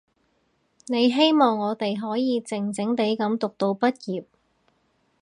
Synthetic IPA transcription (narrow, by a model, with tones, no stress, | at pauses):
ne˨˧jɦe˥jmɔː˨˩ŋːɔː˨˧t̪e˨jɦɔː˨˥jiː˨˧t͡sɪ˨˩ŋt͡sɪ˨˥ŋt̪e˨˥jkɐ˨˥mt̪ʊ˨k̚t̪o˧wpɐ˥t̚jiː˨p̚